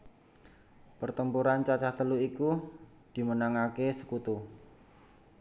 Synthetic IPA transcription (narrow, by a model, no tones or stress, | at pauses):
pərt̪əmpuɾant͡ʃat͡ʃaht̪əluiku | d̪̥i̤mənaŋakesə̥kut̪u